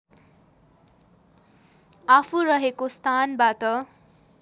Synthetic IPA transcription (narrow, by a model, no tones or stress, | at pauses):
apʰurʌɦekost̪ʰanbat̪ʌ